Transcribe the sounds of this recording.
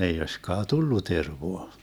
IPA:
ei oisʲkɑː tulːu terʋoɑ

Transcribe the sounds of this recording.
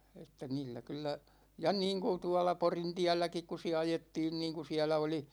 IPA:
etːæ niːlːæ kylˑæ jɑ niːŋku tuɑlɑ porintiælːækik ku siæ ɑjetːiːn niːŋku siælæ oli

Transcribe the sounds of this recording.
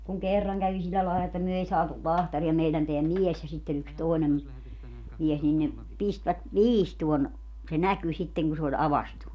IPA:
kuŋ kerːɑŋ kæʋi silːæ lɑelɑ etːæ myø ei sɑːtul lɑhtɑriɑ meilæn teæ mies jɑ sitːe yks toˑenem mies nin ne pistʋæt ʋiːstuon se næky sitːeŋ ku se olʲ ɑʋɑstu

